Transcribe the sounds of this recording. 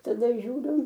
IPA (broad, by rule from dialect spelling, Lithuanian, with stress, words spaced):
tɐˈdɐ ʒʲuːˈrʲʊ